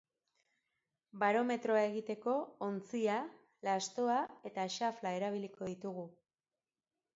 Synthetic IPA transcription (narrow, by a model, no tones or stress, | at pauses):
baɾo̞me̞t̪ɾo̞ae̞ɣit̪e̞ko̞ːnt͡sia | last̪o̞ae̞t̪aʃaflae̞ɾaβ̞iliko̞ðit̪uɣu